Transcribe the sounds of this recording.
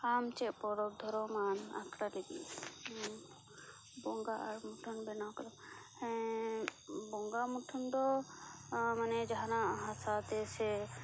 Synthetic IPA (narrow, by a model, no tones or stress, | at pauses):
aːmt͡ʃɛʔpɔɾɔb̚d̪ʱɔɾɔmaːna̰kɽalebḭ | bɔŋɡaʔaɾmuʈʰɔnbɛnakɔlɔmhɛ̃ | bɔŋɡamuʈʰɔnd̪ɔ | manɛd͡ʒaɦanãɦãsat̪ɛsɛ